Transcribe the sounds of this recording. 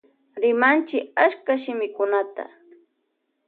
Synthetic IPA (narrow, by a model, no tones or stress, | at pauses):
ɾɪmant͡ʃɪkaskaʃɪmɪkʊnat̪a̰